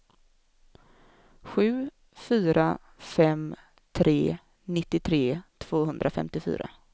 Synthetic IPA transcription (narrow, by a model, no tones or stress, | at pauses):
ɧʉ̟ː | fyːɾa | fɛm | t̪ʰɾeː | nɪt̪ːɪt̪ʰɾeːt̪ʰv̥oːɦɵnd̪ɾʔafɛ̰mt̪ɪfy̰ːɾa̰